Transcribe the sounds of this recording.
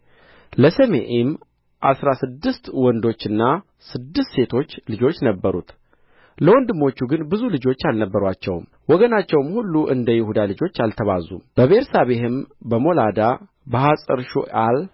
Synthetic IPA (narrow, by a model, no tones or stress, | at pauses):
ləsəmḛʔem | ʔasɾasɨd̪ːɨst̪wɔnd̪o̞t͡ʃːɨnːa | sɨd̪ːɨst̪se̞t̪ʰo̞t͡ʃːlɨd͡ʒo̞t͡ʃːnəbːəɾṵt̪ʰ | ləwɔnd̪ɨmːo̞t͡ʃːuɡɨnbɨzulɨd͡ʒo̞t͡ʃːalnəbːəɾat͡ʃːɛwm | wɔɡənat͡ʃːɛwmhulːuʔɨ̰nd̪əjɪhud̪alɨd͡ʒo̞t͡ʃːalt̪ʰəβa̰zṵmb̥əβeɾsaβe̞hɨmbəmo̞lad̪a | bəhasʼəɾʃṵʔal